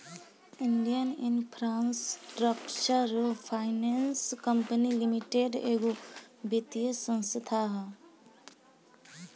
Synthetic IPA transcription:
iɳɖijənɪnpʰɾaːnsɾəpt͡ʃəɾpʰaːɪnenskəmpənilimiʈeɖeɡobit̪ijəsə̃nst̪ʰaɦ

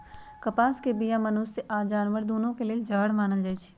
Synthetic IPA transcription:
kɐpaːskebijamɐnʊsːeʔaːd͡ʒaːnʋəɾd̪oːnõkelied͡ʒaːɽmaːnəld͡ʒaːt͡ʃʰi̥

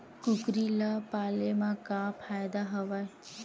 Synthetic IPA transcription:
kukɾilapalemãkapʰajd̪aɦəʋaj

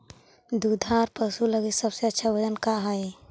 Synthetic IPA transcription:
d̪ud̪ʱaːɾpəsuləɡisəbseətːʃʰabəd͡ʒənkaɦae

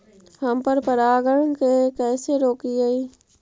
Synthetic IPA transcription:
hɐmpəɾpəɾaːɡəɽ̃kekɛːseɾoːkiɡaiː

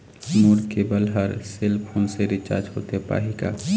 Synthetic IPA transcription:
muːɾkebɐlɦəɾsɪlpʰoːnseɾɪt͡ʃa̰ːɾd͡ʒɦo̰ːt̪eɦepa̰ːɦika̰ː

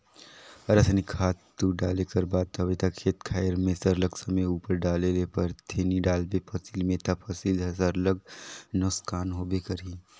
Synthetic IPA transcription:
ɐɾɐsnikʰaːt̪ːuɖaːlekɐɾbaːd̪̚t̪ʰɐʋit̪akʰeːt̪kʰaːjəɾmẽsəɾləɡsɐməuːpəɾɖaːlelepɐɾt̪ʰeːniɖaːlbepʰɐsilmẽt̪ɐpʰɐsilɦɐsəɾləɡ̚nʊskaːnɦobekəɾi

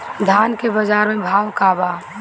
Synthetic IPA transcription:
d̪ʱankebəd͡ʒaːɾmẽbʱaːwkaːba

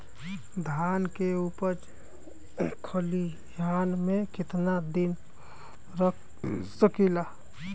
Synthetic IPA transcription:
d̪ʱankeupəɾt͡ʃ | kʰəli | jʱanmekɪt̪nad̪in | ɾə | səkila

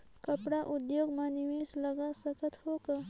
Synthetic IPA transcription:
kəpɽaʔud̪joɡmaniʋesləɡasəkət̪hokə

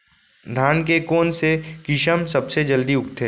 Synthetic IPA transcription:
d̪ʱaːnkekoːnsekɪʃəmsɐbsed͡ʒɐld̪iʊkt̪ʰeː

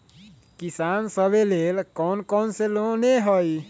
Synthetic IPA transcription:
kisansəbelelkɔnkɔnseloneɦəj

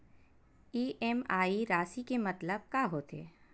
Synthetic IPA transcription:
iːʔemaːiɾaːsikemɐt̪ləb̚kaːɦot̪ḛː

